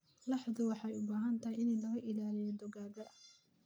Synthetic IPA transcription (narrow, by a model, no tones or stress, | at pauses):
lɑħðʊwɑħɑjʊbaːɦɐnt̪ʰɐɦjɪnɛlɐɣɐʔɪlaːlɪjɛd̪ɔɣaːɣɐ